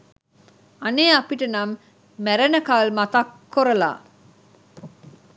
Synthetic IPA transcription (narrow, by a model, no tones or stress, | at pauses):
aneːapiʈənamː | æɾɐnəkaːlmat̪akːoɾəla̰ː